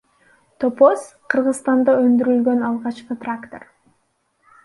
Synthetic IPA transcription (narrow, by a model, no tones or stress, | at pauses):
t̪opo̞s | qʰɯɾʁɯzst̪ɑnd̪ɑønd̪yɾylɡø̞nɑlˠʁɑt͡ʃqɯt̪rakt̪o̞̰r